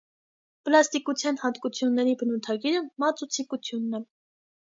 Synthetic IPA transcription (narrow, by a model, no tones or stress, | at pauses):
pəlɑst̪ikut͡sʰjɑnhɑnt̪kut͡sʰjunːɛɾibənut̪ʰɑɡiɾəmmɑt͡sut͡sʰikut͡sʰjunːɛ